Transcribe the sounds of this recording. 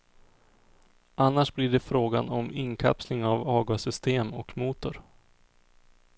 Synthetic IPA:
ʔanːaʂblɪɖɛfɾoːɡa̰nɔmɪŋkʰa̰pslɪŋavɑːɡasʏst̪eːmɔkmuːt̪ʊɾ

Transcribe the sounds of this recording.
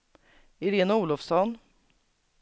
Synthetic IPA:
ɪɾeːnauːlɔfsɔn

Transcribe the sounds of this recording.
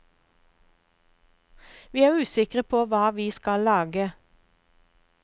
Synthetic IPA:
ʋiːæːʁʉːsɪkʁəpʰoːʋɑːʋiːskɑlɑːɡə

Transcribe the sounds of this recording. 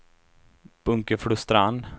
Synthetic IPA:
b̥ɵŋkəfɽʊst̪ɾand̪

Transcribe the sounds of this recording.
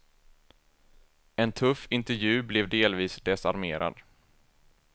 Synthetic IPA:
ɛnt̪ʰɵfɪnt̪ɛɾvjʉ̟ːblɛvd̪eːlviːsd̪ɛsa̰ɾmeːɾʔa̰d̪

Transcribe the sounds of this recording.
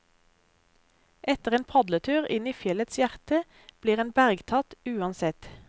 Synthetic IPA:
ʔɛt̪əʁeːnpʰɑd̪lət̪ʰʉːʁɪniːfjɛlət̪sjæʁt̪ə | b̥liːʁeːnbæʁɡt̪ʰɑt̪ʉːɑnsɛt̪

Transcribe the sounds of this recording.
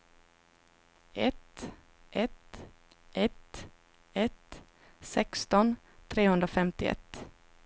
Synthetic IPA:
ɛt̪ | ʔɛt̪ | ʔɛt̪ | ɛt̪ | sɛkst̪ɔn | t̪ʰɾeːhɵnd̪ɾafɛmt̪ɪɛ̰t̪ː

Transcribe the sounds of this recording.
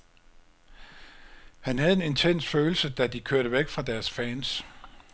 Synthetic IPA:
hænɦæð̞̩ˠe̝ne̝nt͡sʰen̰sføːl̩səd̥æd̥ikʰøɐɾəʋeɡ̥fʁɑ̈d̥æɐsfɛːns

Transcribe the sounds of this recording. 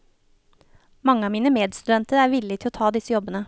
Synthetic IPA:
mɑŋːəɑːmiːnəmeːd̪st̪ʉd̪ɛnt̪əɾæːɾʋɪlːɪt̪ɪloːt̪ʰɑːd̪ɪsəjɔbənə

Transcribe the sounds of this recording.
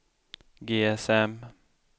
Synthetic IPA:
ɡeːɛsɛm

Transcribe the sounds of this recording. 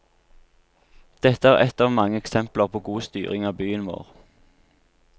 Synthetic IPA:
d̪̥ɛt̪əæːʁɛt̪ɑːʋmɑŋəɛksɛmpləʁpʰoːɡuːst̪yːʁɪŋɑːbyːənʋo̰ːʁ

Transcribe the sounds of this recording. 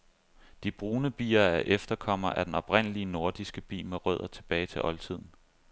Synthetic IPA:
d̥ib̥ʁuːnəb̥ḭːɐæʔefd̥ɐkʰɒ̽m̰ɐʔæɐd̥enɒ̽b̥ʁen̰əliəno̝ɐd̥isɡ̥əb̥ḭːmeʁœ̰ð̞̰ˠɐt͡sʰe̝b̥ɛːɪt͡sʰe̝ʔɒ̽lt͡sʰið̞̰ˠn̩

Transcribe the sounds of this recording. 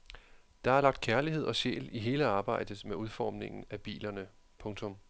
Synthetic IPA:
d̥ɑ̈æɐlɑ̈ɡ̥̚d̥̚kʰæɐliɦe̝ð̞̰ˠɒ̽ɕḛːliɦe̝ːləɑ̈ːb̥ɑ̈ɪ̰d̥ðmeuðˠfɒ̰ːmne̝ŋn̩æb̥ḭːlɐnə | pʰɔ̽ŋt͡sʰɔ̽m

